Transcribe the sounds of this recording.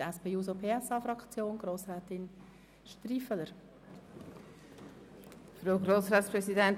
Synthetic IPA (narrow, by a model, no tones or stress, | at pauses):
ɛspeːuːzopʰeːɛsɑːfɾɑkt͡sjoːnɡ̥ɾoːsɾɛːt̪ɪn | ʃtɾiːfələɾ | fɾoʊɡɾoːsɾaːt̪spɾɛsidɛn